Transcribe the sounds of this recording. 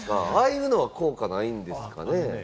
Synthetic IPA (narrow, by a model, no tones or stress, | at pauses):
ka̰aːjɯ̟ːno̞βako̞ːkanaĩnd̪e̞sɨ̥ka̰ne̞